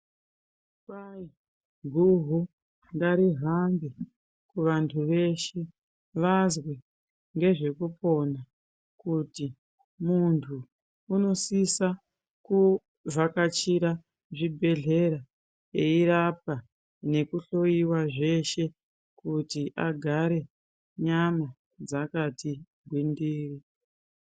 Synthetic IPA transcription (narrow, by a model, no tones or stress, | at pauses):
kai | ɡʱuɦu | ndaɾiɦambi | kuʋantʰuʋe̞ʃe̞ | ʋazwe | ŋɡe̞ʐe̞kupo̞na | kuti | muntʰuː | no̞sisa | ku | vakat͡ʃiɾa | ʐibʱe̞ɮe̞ɾa | eiɾap̚a | ne̞kuɬo̞iwaʐe̞ʃe̞ | kutiʔaɡʱaɾe̞ | ɲama | d͡zakati | ɡʱwindiːri